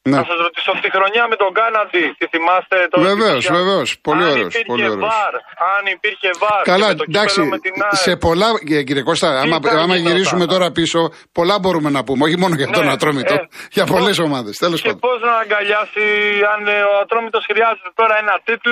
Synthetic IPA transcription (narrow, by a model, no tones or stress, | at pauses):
neɐsɐzɾot̪i̥soɐpt̪ixɾo̞ɲɐmet̪oɡɐnɐtit̪iθimɐst̪et̪veve̞osve̞ve̞o̞spo̞lio̞ɾeosiɾpolioɾevoɐɾɐnipiɾçe̞vɐɾkɐlɐd̪ɐksimt̪inse̞po̞lɐec̬iɾieko̞st̪ɐɐmɐɐmɐʝiɾizsume̞t̪o̞ɾɐpiso̞ | po̞lɐbo̞ɾume̞nɐpumeoçimo̞noʝɐt̪o̞nɐt̪ɾomit̪oʝɐpo̞le̞so̞mɐðe̞st̪elo̞spɐnd̪poznɐːŋɡɐʎɐsiɐnoɐt̪ɾo̞mit̪osxɾiɐzet̪et̪o̞ɾɐenɐt̪it̪l